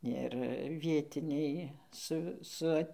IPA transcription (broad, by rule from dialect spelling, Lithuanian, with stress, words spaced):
ɪr ˈʋʲiɛtʲɪnʲɛɪ ˈsʊ sʊ ˈɐtʲ